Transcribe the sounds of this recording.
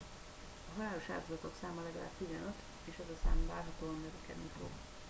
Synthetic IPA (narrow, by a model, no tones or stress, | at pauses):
ɒɦɒlaːloʃa̰ːt̪ozɒt̪o̞ksaːmɒlɛɡɒla̰ːbt̪izɛnøt̪ | eːʃɛzɒsa̰ːmvaːrɦɒt̪oːɒmːɛvɛkɛ̰d̪nifo̰ɡ